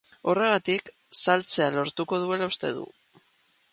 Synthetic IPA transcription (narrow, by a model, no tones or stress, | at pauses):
o̞re̞ɣ̞at̪ik | salt͡se̞alo̞ɾt̪uko̞ð̞ue̞laust̪e̞̰ð̞ṵ